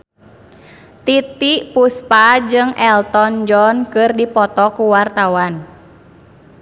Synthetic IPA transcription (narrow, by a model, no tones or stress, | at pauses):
t̪it̪iʔpuspad͡ʒɨŋɛlt̪ɔnd͡ʒɔnkɨrdipɔt̪ɔkuwart̪awan